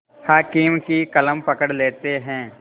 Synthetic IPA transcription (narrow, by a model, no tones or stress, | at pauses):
haːkiːmkikɐləmpɐkəɽleːt̪eɦɛ̃ː